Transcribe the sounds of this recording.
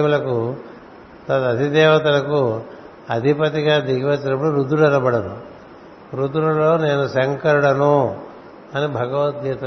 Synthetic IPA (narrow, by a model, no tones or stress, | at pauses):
mulɐku | t̪ɐt̪ɐd̪ʱid̪ɛːʋɐt̪ɐlɐku | ɐd̪ʱipɐt̪iɡaːd̪iɡiʋɐt͡ʃːɐnɐp̬ːuɽuɾud̪uɽɐɾɐbɐɽɐnṵ | ɾud̪ulɐloːneːnusɐŋkɐɾuɽɐnu | ɐnibʱɐɡɐʋɐt̪ɡet̪